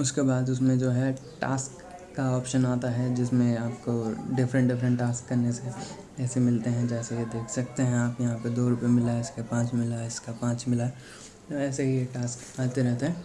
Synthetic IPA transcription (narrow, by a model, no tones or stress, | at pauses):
ʊskebaːd̪ʊs̬mẽd͡ʒoːɦɛʈa̰ːskː | aɔːpʃənaːt̪aɦɛd͡ʒɪsmẽaːpkoɖɪfʰɾə̃ɳʈɖɪfɾə̃ɳʈʈːaːskːɐɾnese | ɛːsemɪlt̪eɦɛ̃d͡ʒɛːsejed̪eːkʰsɐkt̪eɦɛ̃aːpjɐɦãped̪oːɾʊpemɪlaɪskapãːt͡ʃmɪlaɪskapãːt͡ʃmɪla | t̪oɛːseɦijeʈaːsk | ãːt̪eɾɛɦt̪eɦɛ̃ː